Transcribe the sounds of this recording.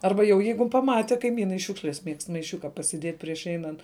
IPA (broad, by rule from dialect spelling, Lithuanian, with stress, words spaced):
ˈɐrbɐ jɛʊ ˈjɛɪɡʊ pɐˈmɑːtʲɪ kɐɪˈmʲiːnɐɪ ˈʃʲuːkʃʲlʲɛs mʲiɛkst mɐɪˈʃʲʊkɐ pɐsʲɪˈdʲiɛtʲ pʲrʲiɛʃ ˈɛɪnɐnt